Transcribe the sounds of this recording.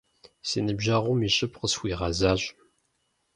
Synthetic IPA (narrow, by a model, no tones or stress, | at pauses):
senəbʒaʁumiɕʼɨpqəswiʁazaːʑ